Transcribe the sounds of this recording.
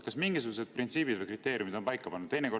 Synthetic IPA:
kɑsmiŋɡisuɡ̥use̞d̪̥̚print̪siːbid̪vɤjkrit̪ːˑe̞ːɾjumid̪̥o̞mpɑjkːˑɑpɑnːud̪ejneko̞

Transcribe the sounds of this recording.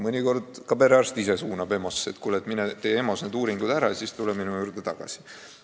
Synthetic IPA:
mɤnʲiko̞rd̪̥kɑbeɾeɑrst̪isesuːnɑbe̞mo̞set̪kulet̪minet̪eːemo̞sned̪uːɾiŋɡ̥ud̪̥æɾɑsist̪ulɛminujuːɾd̪et̪ɑɡ̥ɑ̰si̥

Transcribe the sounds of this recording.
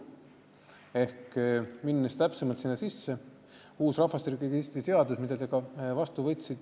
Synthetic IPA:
e̞hkminːest̪æpsemɑlt̪sinːɑsisːe̞ | uːsrɑvɑst̪iɾkikist̪ise̞ɑd̪usmid̪̥ɑd̪eɡ̥ɑvɑst̪uvɤjt̪sid̪̥

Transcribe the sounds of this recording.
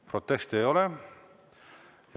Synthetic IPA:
pro̞t̪ːˑest̪ejo̞le | j

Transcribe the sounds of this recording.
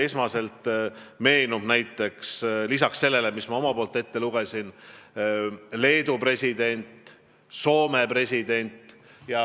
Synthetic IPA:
e̞smɑse̞lt̪me̞ːnub̥næjt̪ːˑe̞kslisɑkse̞lːe̞le̞mismɑo̞mɑpo̞ːlt̪ːe̞t̪ːe̞luɡ̥esʲin | le̞ːd̪upre̞sʲid̪̥e̞nʲt̪ | so̞ːme̞pre̞sʲid̪̥e̞nʲt̪ˑjɑ

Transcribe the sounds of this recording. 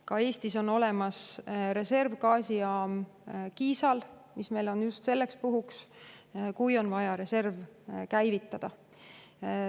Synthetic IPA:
kɑe̞ːst̪iso̞no̞le̞mɑsɾe̞se̞rvkɑːsiɑːmkiːsɑlmisme̞jlo̞njust̪se̞lːe̞kspuɦuks | kujo̞nvɑjɑɾe̞se̞rvkæjvit̪ːˑɑd̪̥ɑ

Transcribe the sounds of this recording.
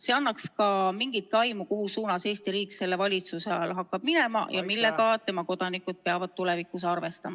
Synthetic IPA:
se̞ɑnːɑkskɑmiŋɡ̥it̪̚kɑjmukoɦusuːnɑse̞ːst̪iɾiːkse̞lːe̞vɑlʲit̪suse̞ɑlɦɑkːˑɑb̥̚mine̞mɑ̰jɑmilːeɡɑt̪e̞mɑko̞d̪̥ɑnikud̪̥̚pe̞ɑvɑd̪̥̚t̪ule̞vikˑːusɑrve̞st̪ɑmɑ

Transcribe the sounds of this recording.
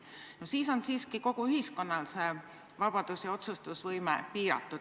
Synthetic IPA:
nosiːso̞nsiːskiko̞ɡ̥uyɦisko̞nːɑlse | vɑb̥ɑd̪̥usjɑo̞t̪sust̪usvɤjmḛpiːɾɑ̰t̪ːˑu

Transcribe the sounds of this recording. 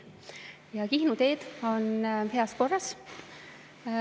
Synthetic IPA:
jɑkihnut̪e̞ːd̪̥o̞nhe̞ɑsko̞rːɑs

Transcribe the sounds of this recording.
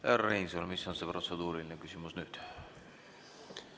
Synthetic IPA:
erninsolmisːonseprosed̪uːɾilineŋkysymysnyt̪

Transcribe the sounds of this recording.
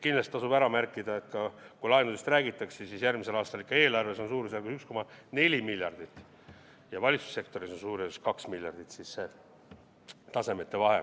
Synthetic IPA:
kinlɑst̪ːɑsub̥æɾɑmærkːˑid̪̥ɑe̞t̪kɑkulɑenud̪sest̪ræːɡit̪ːˑɑksesisjærmise̞lɑːst̪ɑlikːɑe̞ːlɑrve̞so̞nsuːɾsɑlkusyksko̞mɑne̞lʲimilʲjɑrd̪̥it̪ːˑ | jɑvɑlʲit̪su̥sːe̞kt̪o̞ɾiso̞nsuːɾeskɑksmilʲjɑrd̪̥it̪sisːe | t̪ɑse̞met̪ːe̞vɑɦe̞̰

